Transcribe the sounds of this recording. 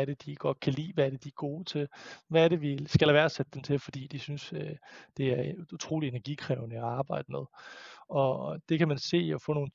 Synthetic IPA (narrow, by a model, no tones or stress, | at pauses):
æɐɾ̥ed̥iɡ̥ɒ̽d̥̚kʰælḭːʋææɐɾ̥ed̥iæɐɡ̥o̝ːt͡sʰe̝lʋæːɐɾe̝ʋisɡ̥ælhæʋæːɐsed̥ə̥ːemt͡sʰe̝lfɒ̽d̥ḭːd̥isynsød̥e̝æɐut͡sʰʁo̝̰ːlie̝næɐɡ̥ikʰʁɛʊnəɒɑ̈ːb̥ɑ̈ɪ̰d̥əmeð̞ˠɒ̽d̥e̝kʰæmænse̝̰ːɒ̽fɔ̰ːno̝ːn̩